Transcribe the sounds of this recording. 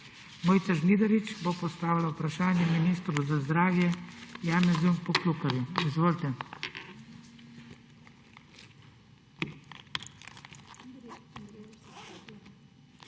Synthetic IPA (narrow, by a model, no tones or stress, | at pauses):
mɔːjt̪saʒniːd̪ɐɾit͡ʃbopɔst̪aːʋilaupɾaʃaːnjɛminiːst̪ɾuzazd̪ɾaːwjɛjaːnɛzumpɔklukɔʋjuizʋoːlt̪ɛ